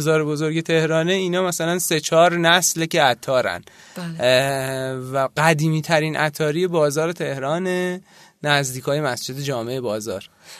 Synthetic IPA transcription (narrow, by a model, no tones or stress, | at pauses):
zɒːɾebozo̞ɾɟe̞t̪ʰe̞hɾɒːneiːnɒːmæsælænse̞t͡ʃʰɒːɾnæsleceæt̪ʰɒːɾæ̰n | væɢæd̪iːmiːt̪ʰæɾiːnʔæ̰t̪ʰːɒːɾije̞bɒːzɒːɾe̞t̪ʰe̞hɾɒːne | næzd̪iːkʰɒːje̞mæsd͡ʒe̞d̪ed͡ʒɒːme̞ebɒːzɒ̰ːɾ